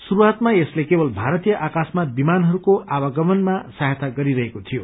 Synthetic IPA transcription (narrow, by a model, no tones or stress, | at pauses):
suɾuat̪maeslekebʌlbʱaɾʌt̪ijʌʔakasmabimanɦʌɾukoʔabʌɡʌmʌnmasaɦat̪aɡʌɾiɾʌɦekot̪ʰijo